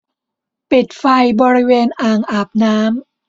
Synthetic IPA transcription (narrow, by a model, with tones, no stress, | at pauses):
pi˨˩t̪̚fa˧jbɔː˧ɾi˦˥weː˧nʔaː˨˩ŋʔaː˨˩p̚naː˦˥m